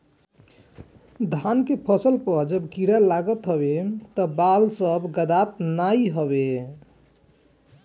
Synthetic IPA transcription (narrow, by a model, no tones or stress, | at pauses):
d̪ʱankepʰəsəlpəɾd͡ʒəbkiɽalaɡət̪ɦəbet̪ɔbalsəbɡəd̪at̪naiɦəβe